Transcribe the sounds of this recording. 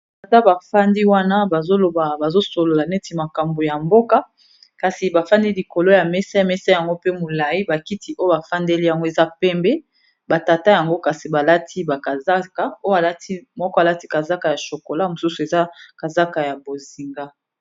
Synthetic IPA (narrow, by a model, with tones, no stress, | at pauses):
ta˨ta˦ba˨fa˦ndi˦wa˦na˦ba˨zo˦lo˨ba˨ba˨zo˦so˨lo˨la˨nɛ˦ti˨ma˨ka˨mbo˨ja˨mbo˦ka˦ | ka˨si˨ba˨fa˦ndi˦li˨ko˨lo˦ja˨mɛ˦sa˦˨mɛ˦sa˦ja˨ŋɡo˦pe˦mo˨la˨ji˦ba˨ki˦ti˦ʔo˦jo˦ba˨fa˦ndɛ˦li˦ja˨ŋɡo˦e˨za˦pɛ˦mbɛ˦ | ba˨ta˨ta˦ja˨ŋɡo˦ka˨si˨ba˨la˦tʰi˦ba˨ka˨za˦ka˦o˦ja˨la˦ti˦mɔ˦kɔ˦a˨la˦ti˦ka˨za˦ka˨ja˨ʃo˨ko˨la˦mo˨su˦su˨e˨za˦ka˨za˦ka˨ja˨bo˨zi˨ŋɡa˦